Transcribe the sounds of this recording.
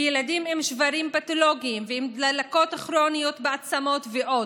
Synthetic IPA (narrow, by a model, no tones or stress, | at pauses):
jeladimemʃvaɾimpat̪oloɡiːmvehemd̪lalako̞taχɾonijo̞t̪beat͡samo̞t̪veʔo̞